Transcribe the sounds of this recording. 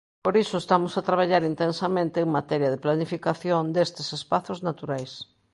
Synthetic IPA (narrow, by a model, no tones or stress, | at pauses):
poɾisoest̪amʊsat̪ɾaβ̞aʎaɾint̪ensamẽnt̪eːŋmat̪ɛɾjɐðɪplanifikaθjond̪est̪ɪsespaθoznat̪uɾajs